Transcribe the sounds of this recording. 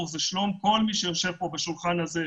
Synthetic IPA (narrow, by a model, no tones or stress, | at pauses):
ʁzeʃlo̞mko̞lmiʃejo̞ʃe̞vpo̞baʃulχanhaze